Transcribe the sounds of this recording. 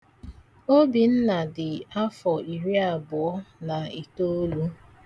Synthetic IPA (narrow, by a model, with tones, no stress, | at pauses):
o˦bi˨n̩˦na˨dɪ˨a˦fɔ˨i˨ɾi˦a˨bʊ˨ɔ˦na˨i˨to˦lu˦